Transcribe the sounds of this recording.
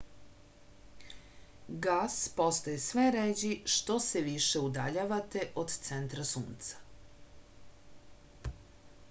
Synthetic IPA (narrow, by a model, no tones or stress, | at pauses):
ɡaːspo̞st̪ojesʋeɾed͡ʑiʃt̪o̞seʋiʃeud̪aʎaʋat̪e̞ʔod̪t̪sent̪ɾasṵːnt̪sḁ